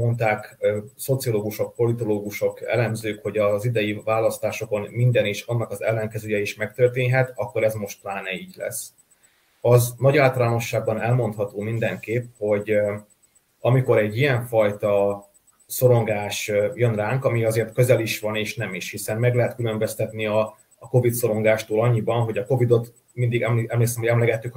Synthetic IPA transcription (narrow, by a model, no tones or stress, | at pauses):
o̞nt̪aːkso̞t̪sio̞loːɡuʃo̞k̚po̞lit̪o̞loːɡuʃo̞kɛ̰lɛmzøːkho̞ɟɒzid̪ɛjivaːlɒst̪aːʃo̞ko̞nmind̪ɛniːʃɒnːɒkɒzɛ̰lːɛŋkɛzøːjɛiʃmɛk̚t̪ørt̪̬eːɲɦɛt̪ɒkːo̞ɾɛzmo̞ʃt̪̚plaːnɛiːɟlɛ̰sː | ɒznɒɟaːlt̪ɒlaːno̞ʃːaːɡ̚bɒnɛlmo̞nt̪hɒt̪oːmind̪ɛŋkeːpho̞ɟ | ɒmiko̞ɾɛɟːijɛɱfɒjt̪ɒ | so̞ɾo̞ŋɡaːʃjønraːŋkɒmiɒzeːrt̪kø̞zɛliʃʋɒneːʃnɛmiʃhisɛnmɛɡlɛɦɛt̪kylø̞mbøst̪ɛt̪niɒː | ko̞vit̪so̞ɾo̞ŋɡaːʃt̪oːlɒɲːibɒnɦo̞ɟɒko̞vid̪o̞t̪ | mind̪iɡɛmɛmleːksɛmɦo̞ɟɛmlɛɡɛt̪ːyk